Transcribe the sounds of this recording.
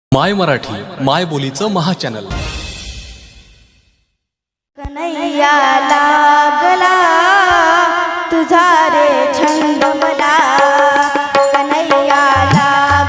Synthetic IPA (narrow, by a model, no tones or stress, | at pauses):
majməɾaʈʰiːmajbolit͡səməɦat͡ɕænə̰l | kənəjjalaɡəla | t̪ud͡zʱaɾet͡ɕʰənd̪əməla | kənəjjala